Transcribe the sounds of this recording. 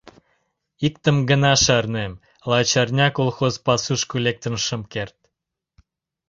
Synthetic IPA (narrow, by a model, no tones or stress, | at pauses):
ikt̪ə̆mɡənɑʃɑrnem | lˠɑt͡ɕɑrnʲɑkolxozpɑsuʃkulek̚t̪ənʃəmkert̪̚